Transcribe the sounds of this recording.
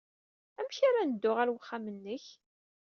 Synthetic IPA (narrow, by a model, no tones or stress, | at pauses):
æmçaɾanəd̪ːʊʁæɾwəχːamənːəç